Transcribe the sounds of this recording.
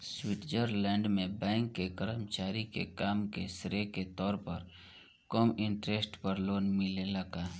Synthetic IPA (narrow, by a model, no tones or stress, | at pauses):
swɪʈd͡ʒəɾlɛ̃ːɳɖmẽbɛ̃ːŋkːekəɾəmt͡ʃaːɾikḛkaːmkesɾeket̪ɔːɾpəɾ | kɔːmɪ̃ɳʈɾesʈpəɾloːnmɪlelɐɡa